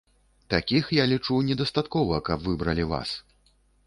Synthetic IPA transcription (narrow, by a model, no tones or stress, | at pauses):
t̪akʲixjalʲit͡ʂunʲɛd̪ɐst̪at̪kɔvɐkɐbvɨbɾɐlʲiva̰s